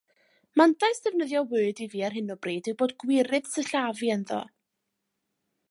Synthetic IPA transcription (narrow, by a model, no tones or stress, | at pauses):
mandasd̥ɛvnəðjɔwɨɨdiviːarɦɨnɔbriːdɪwboːdɡwɪɾɨð̥səɬaviənðɔ̰